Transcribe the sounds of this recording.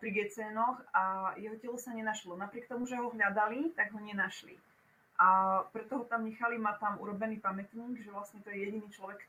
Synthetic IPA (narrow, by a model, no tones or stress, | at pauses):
pɾiɡɛt͡sɛːnɔxajɛɦɔcɛlɔsaɲɛnaʃlɔnapɾɪɛkt̪ɔmuʒɛɦɔɦʎad̪alit̪aɡɦɔɲɛnaʃlḭ | ʔapɾɛt̪ɔɦɔt̪amɲɛxalimat̪amṵɾɔbɛniːpamɛt̪ɲiːɡʒɛʋlasɲɛt̪ɔjɛjɛɟiniːt͡ʃlɔʋɛk